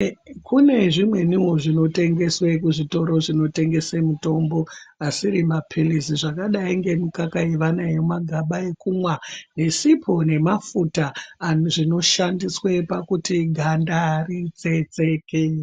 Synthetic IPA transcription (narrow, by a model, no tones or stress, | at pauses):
kʰune̞ʐimwe̞niwoʐino̞te̞ŋɡe̞swe̞kuʐito̞ɾo̞ʐino̞te̞ŋɡe̞semuto̞mbo̞asiɾimapʰilisiʐakaɗaiŋɡe̞mukakaeʋanajomaɡʱaɓae̞kumwane̞sipʰone̞mafutaːʐino̞ʃandiswe̞pakutiɡʱandarit͡se̞t͡seke